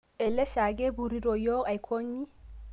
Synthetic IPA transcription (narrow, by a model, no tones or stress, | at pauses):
ʔɛlːɛʃaɡɛbuɾiɾɔjɔajkʰoɲːi